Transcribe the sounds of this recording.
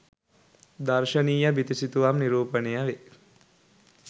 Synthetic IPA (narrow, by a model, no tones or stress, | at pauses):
d̪ɐɾʃɐniːjəbit̪isit̪uʋamniɾuːpənejɐʋe